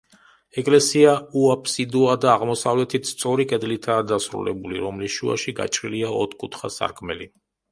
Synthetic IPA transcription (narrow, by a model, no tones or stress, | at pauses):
ɛkʼlɛsiauapʰsid̪uad̪aːʁmɔsavlɛt̪ʰit̪st̪sʼɔɾikʼɛd̪lit̪ʰaːd̪asɾṵlɛ̰buliɾɔmlisʃua̰ʃiɡa̰t͡ʃʼɾiliaɔt̪ʰkʼut̪ʰχasa̰ɾkʰmɛli